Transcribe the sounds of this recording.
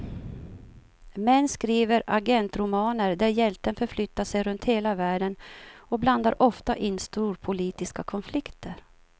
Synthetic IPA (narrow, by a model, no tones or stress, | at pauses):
mɛnːskɾiːvəɾʔaɡɛnt̪ɾʊmɑːnəɾd̪æɾjɛlt̪ənfœɾflʏt̪ːaʂɛjɾɵnt̪heːlavæːɖənɔbland̪aɾʔɔft̪aʔɪnːst̪uːɾpʰʊliːt̪ɪskakʰɔnflɪkt̪əɾ